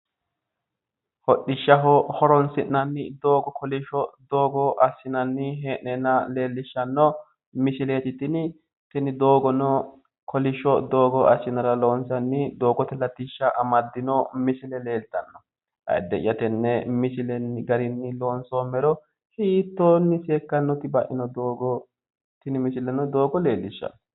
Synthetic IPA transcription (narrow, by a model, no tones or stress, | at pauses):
hɔɗːɪʃːɐɦɔhɔɾɔnsɪnːɐnːɪd̪o̞ːɡɔkʰɔlɪʃɔd̪oːɡɔʔɐsːɪnɐnːɪɦeːʔɛnɐle̞ːlːɪʃːɐnːɔ | mɪsɪleːt̪ɪt̪ɪnɪ | t̪ɛnɪd̪oːɡɔnɔ | kʰɔlɪʃɔd̪oːɡɔʔɐsːɪnɐɾɐloːnsɐnːɪd̪o̞ːɡɔt̪ɛlɐt̪ːɪʃːɐʔɐmɐd̪ːɪnɔmɪsɪlɛleːlt̪ɐnːɔ | hɐ̰jd̪ɛʔɪjɐt̪ɛnːɛmɪsɪlɛnɡɐɾɪnːɪlo̞ːnsɔːmɛɾɔ | hiːt̪ːoːnːɪseːkːɐnːɔt̪ɪbɐʔɪnɔd̪oːɡɔ | t̪ːɪnɪmɪsɪlɛnɔd̪o̞ːɡɔle̞ːlːɪʃːɐ̰nːɔ̥